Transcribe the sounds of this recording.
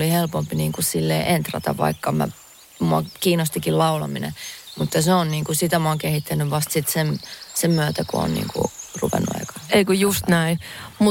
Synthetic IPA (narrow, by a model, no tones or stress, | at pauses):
lihelpompiniːŋkusilːḛːʔent̪rɑ̰t̪ɑ̰ʋʋɑ̰ikːɑmæ̰ | muɑkiːnost̪ikillɑulɑ̰minḛmut̪ːjɑseonniːŋkusit̪æmuɑŋkehit̪ːænːyʋʋɑst̪sit̪semsemmyøt̪ækoo̰nnḭːŋkṵrṵʋḛnːṵɑ̰ikɑ̥eikøjust̪næimu